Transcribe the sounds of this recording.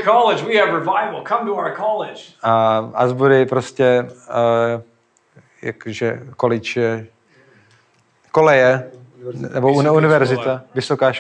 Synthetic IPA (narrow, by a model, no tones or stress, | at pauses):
kʰɑlˠɪd͡ʒwiɨvɹɪvaɪvl̩ˠkʰʌ̃mtəaʊə˞kʰɑlˠɪ̥d͡ʒ̥ʔaʔa̰zbuɾɪpɾoscɛ | ja̰koʒɛkolɪt͡ʃɛ | kolɛjɛ | nɛboununɪvɛɾzɪt̪avɪsokaːʃ